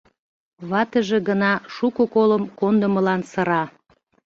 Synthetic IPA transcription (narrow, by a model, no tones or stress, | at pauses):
βɑt̪əʒe̽ɣənɑʃukokoləmkond̪əməlɑnsəɾɑ